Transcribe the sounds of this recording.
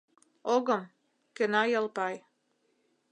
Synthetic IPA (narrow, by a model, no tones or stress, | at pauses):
oɣɤ̆m | kɘ̆nɑjɤlpɑj